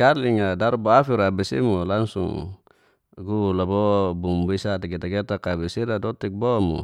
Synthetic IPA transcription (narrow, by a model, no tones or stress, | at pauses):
kaliŋadaɾuboafiɾabɛsḭmulaŋsṵŋ | ɡulabɔbumbisat̪iɡet̪aɡet̪akabɛsiɾadɔt̪ik̚bɔmṵ